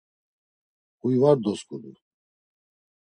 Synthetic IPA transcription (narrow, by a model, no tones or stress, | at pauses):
hujvaɾd̪ɔskʼud̪u